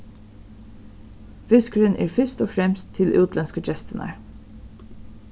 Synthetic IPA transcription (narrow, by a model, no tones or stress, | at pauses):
ʋʏskɹənʔḛːɹfʏst̪oːfɾɛmst̪ʰːɪlʔʉ̰ːt̪ʰlɛnskət͡ʃɛst̪ənɑ̰ɹ